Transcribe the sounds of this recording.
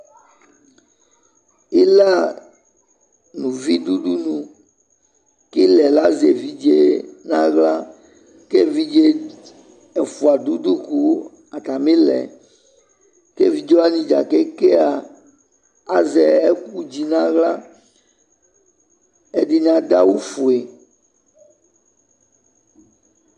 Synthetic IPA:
i˦la˦ | nũ˨vi˦ɖ̪u˦ɖu˦nũ˨ | ki˦lɛ˨la˦ze˨vi˦d͡ʒe˦nã˦ɣla˦ | ke˦vi˦d͡ʒe˦ | ɛ˨fu˨a˨d̪u˦d̪u˦ku˦ | a˨t̪a˨mẽ˦lɛ̰˨ | ke˦vi˦d͡ʒɔ˦a˦ɲĩ˨d͡ʒa˨ke˦ke˦a˨ | a˨zɛ˨e˦ku˦d͡ʑi˦nã˦ɣla˦ | e˦ɖi˦ɲ˦ã˨d̪a˦wu˦fu˨e˨

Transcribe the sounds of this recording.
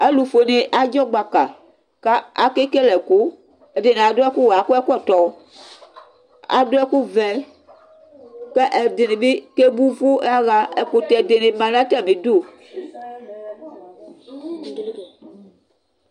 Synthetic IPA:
ɛ˦lu˨fo˨ne˨ʔa˨d͡ʒɔ˦ɡ͡ba˨ka˨ | ka˦a˨ke˦ke˦lɛ˨ko˦ | e˨de˨ne˨a˨do˦ɛ˦ku˦wa˨ku˦ɛ˦ku˦ɛ˦˨t̪ɔ˨˦ | a̰˨do˦ɛ˦ku˦vɛ˨ | kɛ˦ʔɛ˨de˨ne˨be˦ke˦bu˦vo˦a˦ɣa˦ɛ˨ko˨t̪ɛ˨de˨ne˨mã˨nã˦tɛ˦˨mĩ˨do˦˨

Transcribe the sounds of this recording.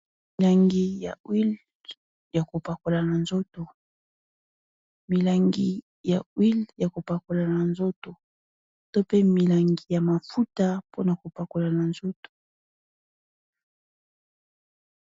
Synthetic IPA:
mi˨la˨ŋɡi˨ja˨wi˦l | ja˨ko˨pa˨ko˨la˨na˨nzo˦to˨ | mi˨la˨ŋɡi˨ | ja˨wi˦lja˨ko˨pa˨ko˨la˨na˨nzo˦to˨ | to˦pe˦mi˨la˨ŋɡi˨ja˨ma˨fu˦ta˦po˦na˨ko˨pa˨ko˨la˨na˨nzo˦to̥˨

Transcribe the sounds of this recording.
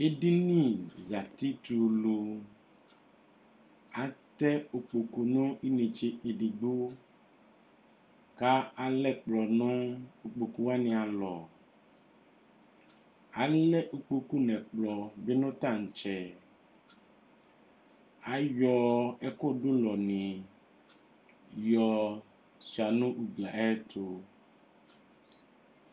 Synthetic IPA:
e˦ɖi˦nĩ˦˨za˨t̪i˦t̪u˨lo˨ | a˨t̪ɛ˦o˨k͡po˨ko˨nõ˦i˦nẽ˨t͡ʃe˦e˨ɖi˨ɡ͡bo˦ | ka˦a˨lɛ˦k͡plɔ˨nõ˦o˨k͡po˨ku˦wa˦nĩ˨a˨lɔ̰˨ | a˨lɛ˦ʔu˦k͡po˨ku˦nɛ̃˨k͡plɔ˨be˦nõ˦t̪ã˦˨ŋ̩˨t͡ʃɛ˨ | a˨jɔ˦ɛ˦ko˦ɖo˦lɔ˨nĩ˨ | jɔ˨ | si˨a˨nũ˦ʔu˨ɡ͡bla˨ɛ˦t̪ʰo˨

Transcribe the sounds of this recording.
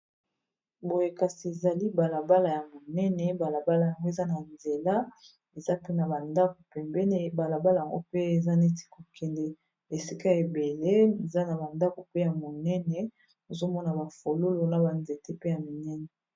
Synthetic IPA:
bo˨je˨ka˨si˨e˨za˨li˦ba˨la˨ba˦la˨ja˨mo˨nɛ˦nɛ˨ba˨la˨ba˦la˨ja˨ŋɡo˦e˨za˦na˨nze˨la˦ | e˨za˦pe˦na˨ba˨nda˦ko̥˨pɛ˨mbɛ˦ne˦ba˨la˨ba˦la˨ja˨ŋɡo˦pe˦e˨za˦ne˦ti̥˦ko˨kʰɛ˨ndɛ˨ | e˨si˦ka˦e˨be˨le˦e˨za˦na˨ba˨nda˦ko˨pe˦ja˨mo˨nɛ˦nɛ˨ | o˨zo˦mɔ˦na˨ba˨fo˨lo˦lo˨na˨ba˨nze˨te˦pe˦ja˨mi˨nɛ˦nɛ˨

